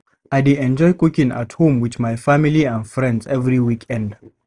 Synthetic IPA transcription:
aɪdiɛ̃nd͡ʒɔɪkukĩŋa̰thũmwiðmajfamiliãndfɹɛ̃ndzɛvɹiwikʰɛ̃nd̥

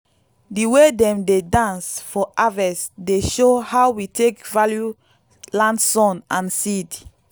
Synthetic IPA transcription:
diwedɛ̃mdedãnsfɔʔavɛsdeʃohawitʰekvalju | lãndsɔ̃nãnsid

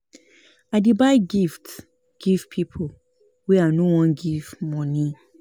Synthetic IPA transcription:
aɪdebaɪɡifts | ɡ̥iv̥pʰipʰo | wɛanowɔ̃nɡivmɔ̃ni

